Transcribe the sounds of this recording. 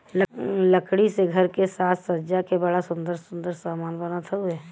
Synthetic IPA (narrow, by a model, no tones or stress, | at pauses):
lləkɽiseɡʱɐɾkesaːt̪ʰsəːd͡ʒakebɐɽasʊ̃nd̪əɾsʊ̃nd̪əɾsaːmaːnbənat̪ʰaʊɛː